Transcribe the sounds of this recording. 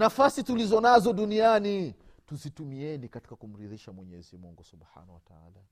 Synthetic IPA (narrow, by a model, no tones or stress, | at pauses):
nafasitulizɔnazɔɗuniani | tuzitumiɛnikati̥kakum̩ɾiðiʃamwɛɲɛzimuŋɡusubħa̰ːnawataa̰la